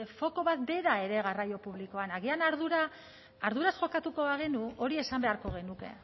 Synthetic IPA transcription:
fo̞ko̞βat̪be̞ɾae̞ɾe̞ɣ̞arajo̞puβliko̞anaɣ̞ianaɾðuɾaː | ɾðuɾasʝo̞kat̪uko̞βaɣ̞e̞nuo̞ɾie̞sambe̞aɾko̞ɣ̞e̞nuke̞̰

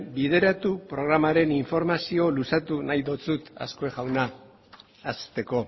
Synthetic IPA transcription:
biðe̞ɾat̪upɾo̞ɣ̞ɾamaɾe̞niɱfo̞ɾmasio̞lusat̪unajðo̞t͡sut̪a̰skoeɣawnaː | st̪e̞ko̞

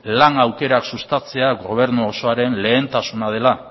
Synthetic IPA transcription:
laŋawke̞ɾaksust̪at͡se̞aɣo̞β̞e̞ɾnuːso̞aɾe̞nle̞ːnt̪asunað̞e̞la

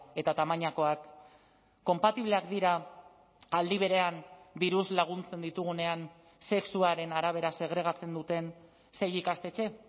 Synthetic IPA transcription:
e̞t̪at̪amaɲako̞akː | o̞mpat̪iβle̞akd̪iɾa | ald̪iβ̞e̞ɾe̞and̪iɾuzlaɣ̞unt͡se̞nd̪it̪uɣ̞une̞an | se̞ksuaɾe̞naɾaβ̞e̞ɾase̞ɣ̞ɾe̞ɣ̞at͡se̞nd̪ut̪e̞n | se̞jikast̪e̞t͡ʃe̞

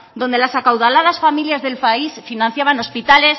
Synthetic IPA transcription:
d̪o̞nd̪e̞lasakawðalað̞asfamiljazðe̞lpaisfinãnθjaβano̞spit̪ale̞s

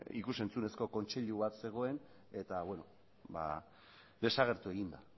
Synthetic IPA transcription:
ḭkuse̞nt͡sune̞sko̞ko̞nt͡ʃe̞ʎuβat̪se̞ɣ̞o̞e̞n | e̞t̪aβwe̞no | ba̰ | d̪e̞saɣ̞e̞ɾt̪ue̞ɣind̪a

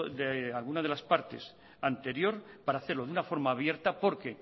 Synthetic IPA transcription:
ðealɣunað̞e̞laspaɾt̪e̞̰s | ant̪e̞ɾjo̞ɾpaɾaːθe̞ɾlo̞ðunafo̞ɾmaːβje̞ɾt̪apo̞ɾke̞

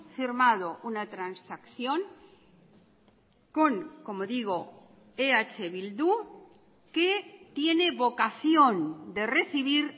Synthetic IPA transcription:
fiɾmaðo̞ʔunat̪ɾansakθjõ̞ŋ | ko̞ŋko̞moðiɣ̞o̞ | eat͡ʃeβild̪u | ket̪je̞ne̞βo̞kaθjo̞nd̪e̞re̞θiβiɾ

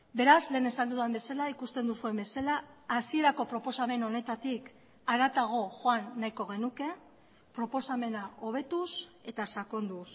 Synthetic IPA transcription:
be̞ɾazle̞ːne̞sand̪uðambe̞salaikust̪e̞nd̪usue̞mbe̞salaːsie̞ɾako̞pɾo̞po̞same̞no̞ne̞t̪at̪ik | aɾat̪aɣ̞o̞ʝoanːajko̞ɣe̞nuke̞ | pɾo̞po̞same̞nao̞β̞e̞t̪use̞t̪asako̞nd̪us

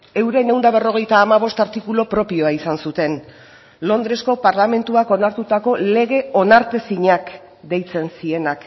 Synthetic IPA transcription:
e̞wɾe̞ne̞wnd̪aβ̞e̞ro̞ɣ̞e̞jt̪aːmaβ̞o̞st̪aɾt̪ikulo̞pɾo̞pio̞aisansut̪e̞n | lo̞nd̪ɾe̞sko̞paɾlame̞nt̪uako̞naɾt̪ut̪ako̞le̞ɣe̞o̞naɾt̪esiɲak | d̪e̞jt͡se̞nsie̞nak

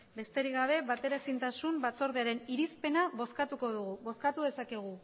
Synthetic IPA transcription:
be̞st̪e̞ɾiɣaβ̞e̞βat̪e̞ɾasint̪asumbat͡so̞ɾðeaɾe̞niɾispe̞naβo̞skat̪uko̞ðuɣuβo̞skat̪uðe̞sakeɣ̞u

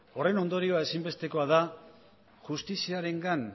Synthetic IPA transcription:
o̞re̞no̞nd̪o̞ɾio̞ae̞simbe̞st̪e̞ko̞aða | ʝust̪isiaɾe̞ŋɡan

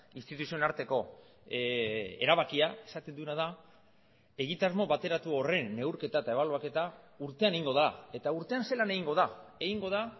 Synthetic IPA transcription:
inst̪it̪usio̞naɾt̪e̞ko̞ | e̞̰ɾaβakiae̞sat̪e̞nd̪unað̞a | e̞ɣit̪azmoβat̪e̞ɾat̪uo̞re̞nːe̞wɾke̞t̪aet̪ae̞βaloake̞t̪auɾt̪e̞ane̞iŋɡo̞ðaa̰e̞t̪auɾt̪e̞anse̞lane̞ɣiŋɡo̞ðae̞ɣiŋɡo̞ð̞a

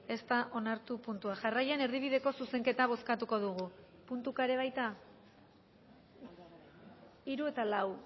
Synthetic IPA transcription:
e̞st̪aʔo̞naɾt̪upunt̪uaʝarajene̞ɾðiβ̞iðe̞ko̞suse̞ŋke̞t̪aβ̞o̞skat̪uko̞ð̞uɣ̞u | punt̪ukaɾe̞β̞ajt̪a | iɾue̞t̪alaw

